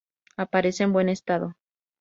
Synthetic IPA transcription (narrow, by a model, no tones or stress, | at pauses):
apaɾe̞seːmbwe̞ne̞st̪aðo